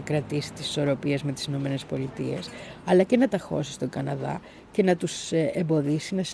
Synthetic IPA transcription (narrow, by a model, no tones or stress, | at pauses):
kɾɐt̪isi̥t̪i̥si̥so̞ɾo̞pie̞zme̞t̪i̥sino̞me̞ne̞spo̞lit̪ie̞̰sɐlɐce̞nɐt̪ɐxo̞̰sist̪o̞ɡɐnɐðɐ̰ | ce̞nɐt̪usembo̞ðisinɐs